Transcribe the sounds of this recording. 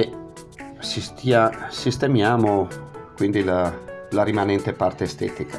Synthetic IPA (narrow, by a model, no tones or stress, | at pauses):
e | sist̪asist̪emjaːmokwind̪ilalaɾimanɛnt̪epart̪eːst̪ɛ̰ːt̪ika